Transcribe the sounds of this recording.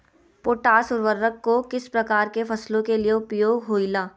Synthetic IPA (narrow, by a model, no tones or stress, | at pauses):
poːʈaːsʊɾʋəɾːəkːokɪspɾɐkaːɾkefɐslõkelieʊpjoːɡɦoːilaː